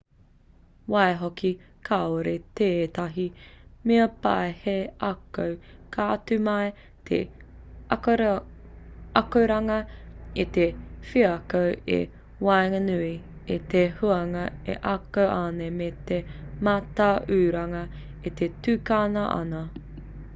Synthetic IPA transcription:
waeɦoki | kʰaoɾet̪eːt̪ɐɦimeɐpa̰eheʔɐkowkʰaːtʉmɐj | t̪ʰḛ | ɐkowɾɐŋɐit̪efiɐkowḛ | wajŋɐnʉi | it̪ehuɐŋɐḛʔɐkowʔaːnemet̪emat̪aʔʉːɾɐŋɐ | it̪etʉːkaːnɐʔɐ̰nɐ

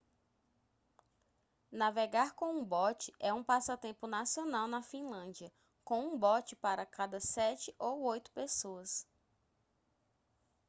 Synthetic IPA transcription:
naveɡaɾkõũbɔt͡ʃɪʔɛũpasʊat̪ẽpʊnasionawnɐfĩlɐ̃d͡ʒiɐ | kõw̃ũbɔt͡ʃɪpaɾɐkad̪ɐsɛt͡ʃɪʔowojt̪ʊ̥pesoɐs

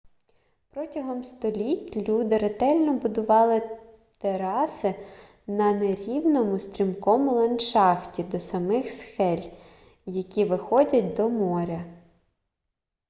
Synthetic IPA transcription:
pɾɔtʲɐɦɔmst̪ɔlʲitʲlʲud̪ɪɾet̪ɛlʲnɔbʊd̪ʊʋɑlˠɪ | t̪eɾɑsɪ | nɐneɾʲiwnɔmʊst̪ʲɾʲimkɔmʊlˠɐnʃɑftʲid̪ɔsɐmɪxsxɛlʲ | jɐkʲiʋɪxɔdʲɐt̚ʲd̪ɔmɔɾʲɐ

